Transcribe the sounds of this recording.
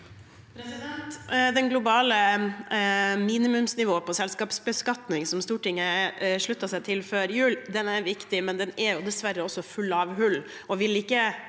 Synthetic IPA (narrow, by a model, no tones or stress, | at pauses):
pʰɾɛsɪd̪ɛnt̪d̪ɛnɡlʊbɑːlə | miːnɪmʉmsnɪʋoːpʰɔsɛlskɑːpsbəskɑt̪nɪŋsɔmst̪uːʈɪŋːəʂɭʉt̪ːɑsæɪt̪ʰɪlføːɾjʉːld̪ɛnæɾʋɪkt̪ɪmɛnd̪ɛnɛɾjʊd̪ɛsʋæɾːəɔsːɔfʉlːɑːʋɦʉlː | ɔʋɪlɪkːə